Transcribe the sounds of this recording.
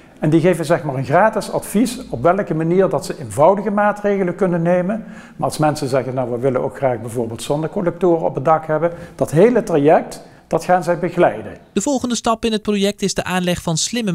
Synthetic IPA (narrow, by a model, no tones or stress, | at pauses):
ɛndiɣejvənzɛxmaːɹənxraːtɪsɑ̰tfisɔpʋɛlkəmaniːɹdɑtsəenvɑwdəɣəmaːtrejɣələkɵnənːejmən | maːɑlˠsmɛnsənzɛɣənːawʋəʋɪlənʔo̰wkxraːɣbɛjvʊːɹbeːlˠtsɔndəkɔnlɛk̚tʊːrəɔ̰pədɑkɦɛbənd̥ɑtɦejlətrajɛk̚t | d̥ɑtχaːnzɛjbəɣlɛjdənd̥əvɔlˠχəndəstɑpɪnɦət̚projɛk̚tɪzdəʔaːnlɛχfɑnslɪmə